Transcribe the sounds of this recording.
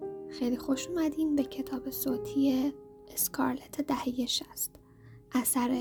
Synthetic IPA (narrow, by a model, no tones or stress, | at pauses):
xejlixoʃumæd̪iːmbecʰe̞t̪ʰɒːbe̞soːt̪ʰije | eskʰɒ̰ɾle̞t̪ʰed̪æhejeʃæst̪ | ʔæsæɾe